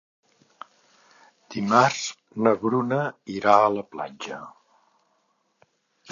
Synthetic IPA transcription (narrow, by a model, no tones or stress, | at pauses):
d̪̥imarz | nəβɾunəiɾaələpla̰d͡ʒə